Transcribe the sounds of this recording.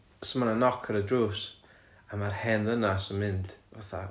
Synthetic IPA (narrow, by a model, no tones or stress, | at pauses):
səmananɔkʰəɾədruːs | amarhɛnðənasənmɪnd̥vaθa̰